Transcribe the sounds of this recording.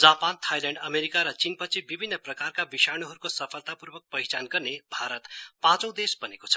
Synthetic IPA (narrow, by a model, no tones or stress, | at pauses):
d͡zapant̪ʰajlaɳɖʌmeɾikaɾʌt͡sinpʌt͡sʰibibʱinːʌprʌkarkabisañoɦʌɾukosʌpʰʌlt̪apurbʌk̚pʌjt͡sanɡʌrnebʱaɾʌt̪pãt͡sʌ̃w̃d̪esbʌnekot͡sʰʌ̥